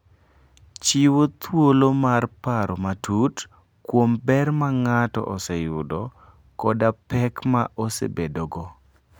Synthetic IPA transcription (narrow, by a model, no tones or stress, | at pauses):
t͡ʃiwot̪wolomarpaɾɔmatut | kwombɛrmaŋatɔ̰ʔɔsɛjʊdɔ | kɔdapɛkmaʔɔsḛbedoɡɔ